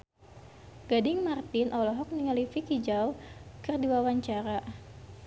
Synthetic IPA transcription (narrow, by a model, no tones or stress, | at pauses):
ɡ̥adɪŋmart̪ɪnʔɔlɔɦɔk̚niŋalifikid͡ʒawkɨrdiwawaɲt͡ʃaɾa